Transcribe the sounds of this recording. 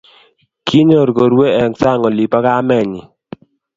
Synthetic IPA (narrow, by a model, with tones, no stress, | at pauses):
kʰi˦ɲ˦o˨ɾɡo˨ɾwe˦ɛ˨ŋsa˦˨ŋɔ˨li˨pa˦ka˦mɛ˨ɲi˨